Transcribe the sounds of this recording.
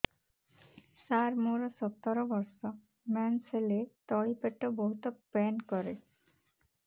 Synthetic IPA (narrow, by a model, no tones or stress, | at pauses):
saɾmuɾosɔp̚t̪ːɔɾobɔɾʃɔ | mɛnselet̪ɔɭipeʈːobɔɦut̪opɛnkɔɾe